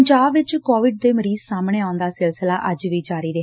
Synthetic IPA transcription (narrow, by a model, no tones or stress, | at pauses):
ɲd͡ʒaːbʋɪt͡ʃkoːʋɪɖ̚d̪eːməɾiːzsaːmɳeːaːʊnd̪aːsɪlsəlaːʔəd͡ʒʋiːd͡ʒaːɾiːɾe